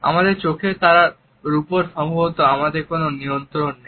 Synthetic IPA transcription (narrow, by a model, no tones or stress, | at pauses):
a̰mad̪eɾt͡ɕokʰet̪aɾa | ɾupoɾʃɔmbʱoɦot̪oamad̪eɾkononiont̪ɾonːe